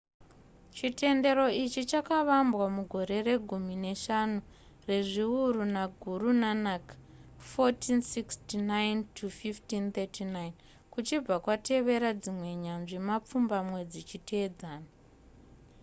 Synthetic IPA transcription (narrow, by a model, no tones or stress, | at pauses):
t͡ʃite̞nde̞ɾo̞it͡ʃit͡ʃakaʋambwamuɡʱo̞ɾe̞re̞ɡʱumine̞ʃanu | re̞ʐiuɾunaɡʱuɾunanakḁ | fotinsikstinajntʰufiftint̪etinain | kut͡ʃib͡vakwatʰe̞ʋe̞ɾad͡zimwe̞ɲanʐimap͡fumbamwe̞d͡zit͡ʃitʰed͡zaːna